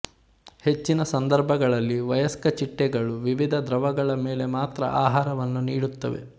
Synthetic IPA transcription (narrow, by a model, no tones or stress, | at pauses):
he̞t͡ʃːinɐsɐnd̪ɐɾbʱɐɡɐɭɐlːiʋɐjɐskɐt͡ʃiʈːɛɡɐɭuʋiʋid̪ʱɐd̪ɾɐʋɐɡɐɭɐmeːle̞maːt̪ɾɐ̰ʔaːɦaːɾɐʋɐnːuniːɽut̪ːɐ̰ʋe̞̰